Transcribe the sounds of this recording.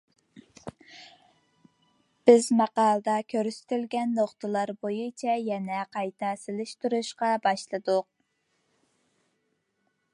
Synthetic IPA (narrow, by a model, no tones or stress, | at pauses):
b̥ɪzmɑqɑːlˠəd̪ɑkʲʰøɾsɪ̥t̪ʰɪlɡʲɛnːoχt̪ʰəlˠɑɾbojut͡ʃʰɛjɛnɛqʰɑjt̪ʰɑsɪlɪʃt̪ʰuɾuʃqɑbɑʃlˠɨd̪ʊq̚